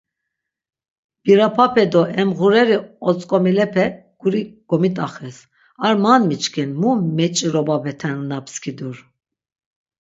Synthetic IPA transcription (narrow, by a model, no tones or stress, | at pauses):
b̥iɾapʰapʰɛd̪ɔʔɛmɣuɾɛɾiɔt͡sʼkʼɔmilɛpʰɛ | ɡ̥uɾiɡ̥ɔmit̪ʼaχɛs | aɾmanmit͡ʃkʰinmumɛt͡ʃʼiɾɔbabɛt̪ʰɛnnapʰskʰid̪uɾ